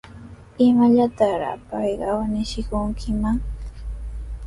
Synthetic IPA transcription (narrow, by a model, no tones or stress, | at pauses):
ɪmaʎat̪ɑɾɑ̰pɑjɢɑwanɪʃɪkʊŋkʰɪmaŋ